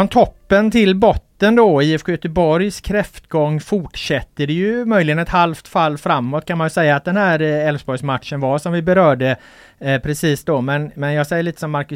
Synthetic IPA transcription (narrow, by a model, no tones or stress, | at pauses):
ɔnt̪ʰɔpːənt̪ʰɪlbɔt̪ːənd̪ɔɪɛfkjœt̪əbɔɾjskʰɾɛft̪ɡɔŋːfʊʈʂɛt̪ːəɖɛjɵmœjlɪɡənɛt̪halft̪falːfɾamːɔt̪kʰanmanjɵsɛjːaːt̪̚d̪ɛnhæːɾɛlsbɔɾjsmat̪ʂənvasɔmvɪbɛɾœːɖə | pʰɾɛsiːsd̪ɔmɛnmɛnjɑːɡsɛjːəɭiːt̪ə̥sɔmːaɾk